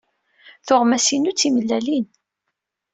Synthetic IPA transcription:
θʊʁmæsinut͡sːiməlːælin

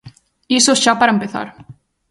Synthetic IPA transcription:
isosɕapaɾɛmpɪθa̰ɾ̥

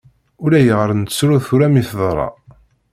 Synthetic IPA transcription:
ʊlæjəʁəɾənt̪ə̥sɾuθuɾæmiθðˤɾˤɑ̰

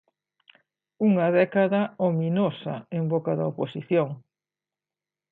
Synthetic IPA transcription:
uŋɐðɛkaðɐominosɐembokɐðɐoposiθjoŋ

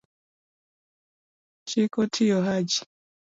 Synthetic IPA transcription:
t͡ʃikɔtʰijɔɦad͡ʒi̥

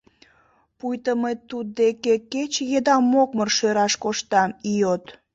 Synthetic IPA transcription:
pujt̪əmet̪ud̪̚d̪ekeket͡ɕjed̪ɑmːokmərʃøɾɑʃkoʃt̪ɑmiot̪

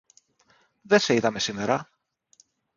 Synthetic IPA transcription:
ðe̞se̞iðɐme̞sime̞ɾɐ

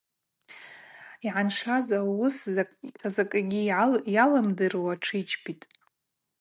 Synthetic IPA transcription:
iʕanʂazawʊs | zakʼɡʲijalamdɨrwaʈ͡ʂʰɨit͡ʃʰpʰitʼ

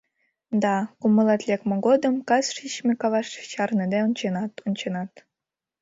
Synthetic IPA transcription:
d̪ɑkuməlˠɑt̪lʲekmeɡod̪ə̆mkɑsʂit͡ɕmʲekɑvɑʃt͡ɕɑrned̪eont͡ɕenɑt̪unʲt͡ɕenɑt̪

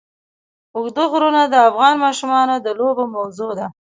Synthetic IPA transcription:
ʊxd̪oɣɾunad̪əafɣɑnmɑʃumɑnod̪əlobomawzod̪a

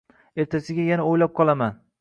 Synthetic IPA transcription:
e̞ɾt̪ʰasɪɡʲajanaojlap̚qʰɒlˠaman

